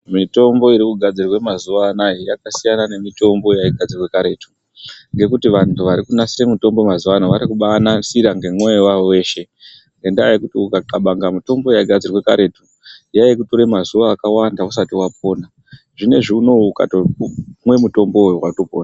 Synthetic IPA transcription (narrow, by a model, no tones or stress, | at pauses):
mito̞mbo̞iɾikuɡʱad͡zirwe̞mazuʋaːnajijakasijanane̞mito̞mbo̞jaiɡʱad͡zirwekaɾe̞tu | ŋɡe̞kutiʋantʰuʋaɾikunasiɾe̞muto̞mbo̞mazuʋanoʋaɾikuɓanasiɾaŋɡe̞mwe̞wawe̞ːʃe̞ | ŋɡe̞ndaikutiukakaɓaŋɡamito̞mbo̞jaiɡʱad͡zirwe̞kaɾe̞tu | jajikuto̞ɾemazuʋaːkawandausatiwap̚o̞ːna | ʐine̞ʐiuno̞uka̰toumwe̞muto̞mboːjuwato̞po̞ːnaa